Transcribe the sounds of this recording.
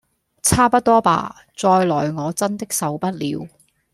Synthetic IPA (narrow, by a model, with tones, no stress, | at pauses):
t͡sʰaː˥pɐ˥t̚t̪ɔː˥pa̰ː˨˩ | t͡sɔː˧jlɔː˨˩jŋɔː˨˧t͡sɐ˥nt̪ɪ˥k̚sɐ˨˧wpɐ˥t̚lḭː˨˧˥w